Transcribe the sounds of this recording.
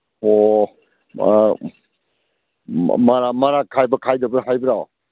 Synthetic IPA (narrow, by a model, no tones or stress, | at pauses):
o | maɾamaɾakʰajbɐkʰajdɐbɐɾɦajbɐɾaw